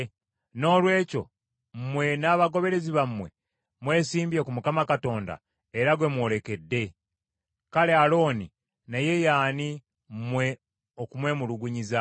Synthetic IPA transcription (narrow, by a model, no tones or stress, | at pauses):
no̞ːlwe̞ːco̞̰ | mmwe̞naːβaɡo̞βe̞ɾe̞ziβamwe̞ | mwe̞ːsiːmbiekumukamakato̞ːnda̰ | eɾaɡwe̞mwo̞ːle̞ke̞dːe̞ | kalealo̞ːni | naje̞jaːni | mmwe̞ | okumwe̞muluɡuɲiza